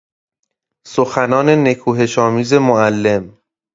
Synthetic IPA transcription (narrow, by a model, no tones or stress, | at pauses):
soxænɒːne̞ne̞kʰuːɦe̞ʃɒːmiːze̞moælːe̞m